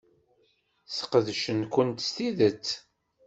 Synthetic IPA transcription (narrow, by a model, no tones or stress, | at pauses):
θə̥qəðʃənkʷənt̪st̪iðət͡sː